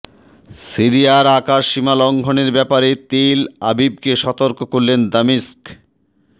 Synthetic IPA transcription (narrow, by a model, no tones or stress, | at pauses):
siɾijaɾakaʃːimalɔŋɡʱoneɾbɛpaɾet̪elabib̚keʃɔt̪oɾkokoɾlend̪amisk